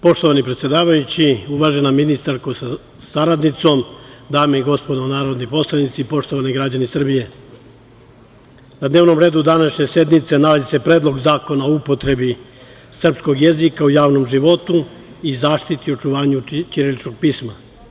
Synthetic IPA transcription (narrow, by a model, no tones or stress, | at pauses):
po̞ʃt̪oʋanipɾet̪sje̞d̪aːʋajut͡ɕiuʋaːʒe̞naminist̪aɾkos | saɾad̪nit̪so̞md̪aːmeiɡo̞spo̞d̪onaːɾo̞d̪nipo̞slanit̪sipo̞ʂt̪o̞ʋaniɡɾad͡ʑanisr̩bije̞ | nad̪neʋno̞mɾe̞ːd̪ud̪anaʃɲe̞sje̞d̪nit̪se̞nalazise̞pɾed̪lˠo̞ɡzaːko̞naoupo̞t̪ɾe̞bi | sr̩psko̞ɡje̞zikaujaːʋno̞mʒiʋo̞t̪u | izaːʃt̪it̪io̞t͡ʃuʋaːɲut͡ʃiɾelit͡ʃkoɡ̚piːsma